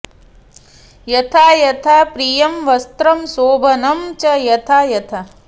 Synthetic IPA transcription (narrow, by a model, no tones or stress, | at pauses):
jɐt̪ʰaːjɐt̪ʰaːpɾijɐmʋɐst̪ɾɐmsoːbʱɐnɐmt͡ʃɐjɐt̪ʰaːjɐt̪ʰɐ